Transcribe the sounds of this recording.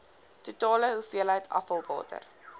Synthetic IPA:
tutɑːləɦufiəlɦəjtʰɐ̰fəlˠvɑ̰ːtə̰r

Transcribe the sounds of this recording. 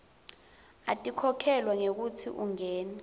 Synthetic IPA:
atʼikʰɔkʰɛlwaŋek̬utʰḭʔuŋɛːnɛ

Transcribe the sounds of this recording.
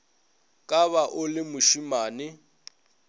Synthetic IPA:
kʼaβaʔʊlɪmʊʃimaːnɪ

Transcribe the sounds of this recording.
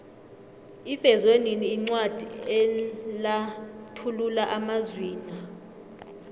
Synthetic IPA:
ifɛzweniniːŋ͡ǀwad̥ʱiɛlatʰululaʔamazwiːna

